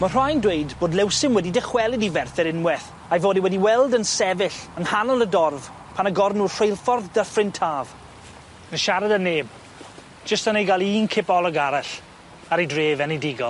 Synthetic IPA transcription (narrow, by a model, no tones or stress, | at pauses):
mər̥ajndwejdboːdˡlɛwsɪmwɛdidɪχwɛlˠɪdivɛrθɛɾɪnwɛθ | ajvoːdiwɛdiwɛlˠdənsɛvɪɬənhanɔlˠədɔrv̥ | pʰanəɡɔrnuːrr̥ejlˠfɔrðdəfrɪntʰaːv | ənʃaɾadənːeːb̚ | d͡ʒ̥əstənejɡalˠiːnkʰɪpɔlˠɔɡaɾaɬ | aɾejdreːvɛnedɪɡɔlˠ